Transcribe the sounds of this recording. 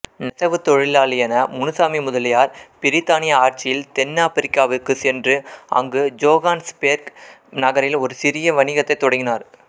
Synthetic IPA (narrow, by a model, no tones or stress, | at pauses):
nɪsɐʋɯt̪ɔɻɪlaːlɪjɐnɐmʊnɯsaːmimʊðɐlɪjaːɾpɪɾɪt̪ːaːnɪjɐaːɾt͡ʃɪjɪlt̪ɛnːaːpɪɾɪkːaːʋɯkːɯsɛndrɯɐ̰ŋɡɯd͡ʒoːɣaːnspeːɾknɐɣɐɾɪlɔɾɯsɪɾɪjɐʋɐnɪɣɐt̪ːɐɪt̪ːɔɽɐŋɡɪnaːɾ